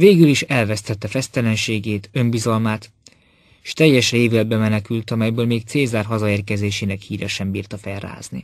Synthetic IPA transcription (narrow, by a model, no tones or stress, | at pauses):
veːɡyliʃɛlvɛst̪ɛt̪ːɛfɛst̪ɛlɛnʃeːɡeːt̪ø̞mbizɒlmaːt̪ | ʃt̪ɛjːɛʃreːvylɛd̪̚bɛmɛnɛkylt̪ɒmɛjbøːlmeːk̚t̪seːzaːrɦɒzɒeːrkɛzeːʃeːnɛkhiːɾɛʃɛmbiːrt̪ɒfɛlra̰ːznḭ